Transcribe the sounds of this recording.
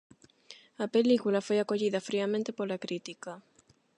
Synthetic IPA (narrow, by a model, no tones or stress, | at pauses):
apelikulafojakoʎiðafɾiamẽnt̪epoɾlakɾit̪ika